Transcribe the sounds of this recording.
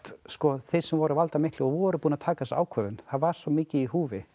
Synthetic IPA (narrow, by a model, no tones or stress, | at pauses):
t̪skɔθesɛmvɔɾʏvalt̪amɪhk̪lɪɔvɔɾʏpuːnat̪ʰaːkasa̰ːwkʰvœvʏnθaðvaɾ̥svɔmiːcɪihuːvɪ